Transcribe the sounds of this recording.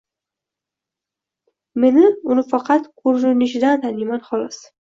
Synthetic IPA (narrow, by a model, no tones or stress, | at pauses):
me̞nɪʊnɪfɑqʰɑt̪kʰoɾɾɪnɪʃɪd̪ant̪ʰanɪjmanχɒlˠɒs